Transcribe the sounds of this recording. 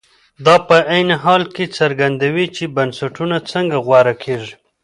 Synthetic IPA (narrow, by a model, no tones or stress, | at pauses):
d̪ɑpəʔajnɪɦɑlket͡saɾɡand̪awit͡ʃebansaʈunat͡səŋɡaɣwaɾakʰeʐi